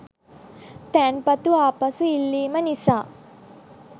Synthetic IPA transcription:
t̪ɛːnpɐt̪uaːpɐsuilːiːmɐnisaː

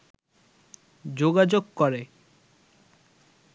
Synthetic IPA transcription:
d͡ʑoɡad͡ʑoɡkɔɾe

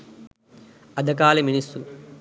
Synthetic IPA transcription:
ɐd̪ʱɐkaːlɐminisu

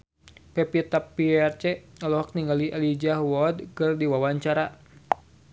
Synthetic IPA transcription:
pɛpit̪apːiɛrt͡ʃɛɔlɔɦɔk̚niŋɡaliʔalid͡ʒaɦwɔd̚kɨrdiwawaɲt͡ʃaɾa

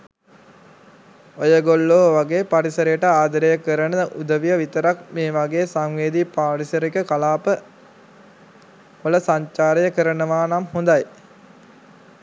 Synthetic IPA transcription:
ojəɡolːoːʋaɡeːpaɾisəɾejəʈəaːd̪əɾejəkəɾənəʔud̪əʋijəʋit̪əɾak̚meːʋaɡeːsaŋʋeːd̪ipaːɾisəɾikəkalaːpə | ʋələsaɲt͡ʃaːɾejəkəɾənəʋaːnamhund̪aj

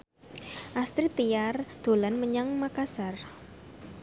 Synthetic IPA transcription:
ʔast̪ɾit̪ijard̪̥o̤lanməɲaŋmakasar

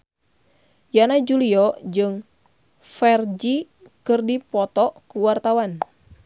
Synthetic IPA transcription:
janad͡ʒuliɔd͡ʒɨŋ | fɛrd͡ʒi | kɨrdipɔt̪ɔkuwart̪awan

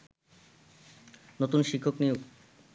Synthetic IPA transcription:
not̪unʃikʰːoknijoɡ

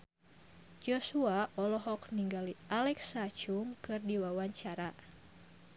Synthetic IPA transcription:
d͡ʒɔsuaʔɔlɔɦɔkniŋɡalialɛksat͡ʃuŋkɨrdiwawaɲt͡ʃaɾa

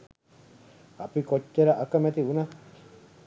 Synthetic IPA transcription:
apikot͡ʃːeɾaʔakamẽt̪iuna

